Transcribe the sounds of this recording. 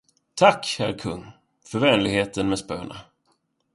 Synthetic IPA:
t̪ʰakːhæɾkʰɵŋː | fœɾvɛːnlɪɡheːt̪ənmɛspø̰ːɳa̰

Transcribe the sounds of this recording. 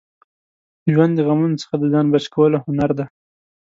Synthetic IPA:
əʒwand̪əɣamunot͡sə̥xad̪əzɑnbat͡ʃkʰawəlohʊnaɾd̪a

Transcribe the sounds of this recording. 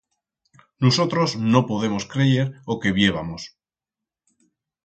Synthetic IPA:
noso̞t̪ɾozno̞po̞ð̞e̞mo̞skɾe̞ʝe̞ɾo̞ke̞βje̞β̞amos

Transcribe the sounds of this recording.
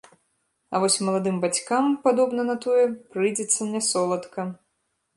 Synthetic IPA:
ɐ̰vɔsʲmɐlˠad̪ɨmbat͡sʲkampad̪ɔbnɐnɐt̪ɔjɛpɾɨjd͡zʲɛt̪sːɐnʲɛsɔlˠɐt̪kɐ

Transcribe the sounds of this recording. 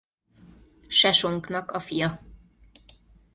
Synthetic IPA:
ʃɛʃo̞ŋknɒkɒfijɒ

